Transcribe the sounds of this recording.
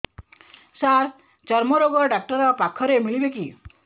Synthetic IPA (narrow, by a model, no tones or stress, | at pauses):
saɾ | t͡ʃɔɾmɔɾoɡɔɖak̚ʈɔɾɔpakʰɔɾemiɭibeki